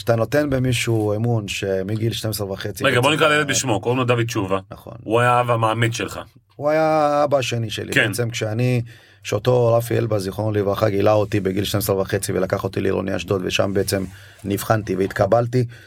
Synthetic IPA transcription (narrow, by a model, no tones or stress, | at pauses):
at̪ano̞t̪e̞nbemiʃuemunʃe̞miɡilʃtemesʁevaχet͡siʁeɡabonikʁalelet̪biʃmokodemnod̪avid̪̚t͡ʃuvanaχo̞̰nuajaavamaːmid̪ʃelχa̰ | uajaːbaaʃe̞niʃe̞̰lʔibkeent͡semkʃeani | kʃeoto̞ʁafiḛlbaziχonlivɾaχaɡilaot̪ibeɡilʃtemesʁvaχe̞t͡sivelakaχo̞t̪ilḭʁo̰nia̰ʃd̪ot̪veʃa̰mbeet͡se̞m | nivχant̪iveit̪kabalti